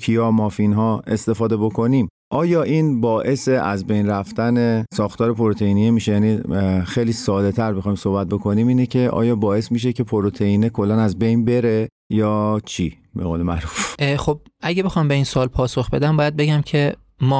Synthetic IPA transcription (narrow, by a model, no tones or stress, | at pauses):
kʰijɒːmɒːfinɦɒːe̞st̪e̞fɒːd̪e̞bokʰo̞niːm | ʔɒːjɒːʔiːnbɒːʔe̞se̞ʔæzbe̞jnɾæft̪ænesɒːxt̪ʰɒːɾe̞pʰo̞ɾot̪ʰeiːnijemiːʃejæːnixejliːsɒːd̪e̞t̪ʰæɾbexɒːjmsohbæt̪̚bo̞kʰo̞niːmiːnecʰe̞ʔɒ̰ːjɒːbɒːe̞smiːʃ̬e̞cʰe̞pʰoɾot̪ʰe̞iːnekʰolːænæzbejnbe̞ɾe | jɒːt͡ʃʰi | beɣoːlemæɾuːfxob̚æɟebe̞xɒmbe̞insoɒːlpʰɒːso̞xb̥e̞d̪æmbɒːjæd̪̚be̞ɟæmcʰe̞ | mɒː